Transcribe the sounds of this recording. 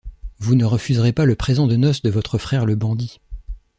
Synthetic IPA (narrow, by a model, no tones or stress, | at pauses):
vunəʁəfyzʁepaləpχezɑ̃d̪ənɔsd̪əvɔt̪χəfχɛʁləbɑ̃d̪i